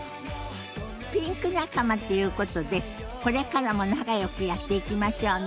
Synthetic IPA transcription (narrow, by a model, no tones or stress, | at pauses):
pʲĩŋkɯ̟nakamat̪o̞jɯ̟ːko̞t̪o̞d̪e̞ | ko̞ɾe̞kaɾamo̞naɡajo̞kɯ̟jat̪ːe̞ikʲimaɕo̞ː